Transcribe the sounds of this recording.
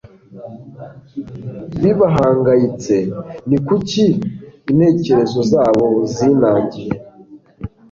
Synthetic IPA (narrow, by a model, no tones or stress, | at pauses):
βiβaɦaːŋɡajit͡se̞nikuciːn̥e̞ːce̞ɾe̞zo̞zaːβo̞ziːnaːɲɟiɾe